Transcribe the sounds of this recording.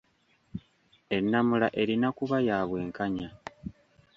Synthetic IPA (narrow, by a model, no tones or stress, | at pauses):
e̞nːamulaʔe̞ɾinakuβajaːβwe̞ːŋkaɲa